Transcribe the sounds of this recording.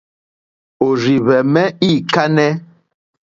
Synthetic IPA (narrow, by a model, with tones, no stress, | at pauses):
o˨ɾi˨βɛ˨mɛ˦iː˦˨ka˦nɛ˦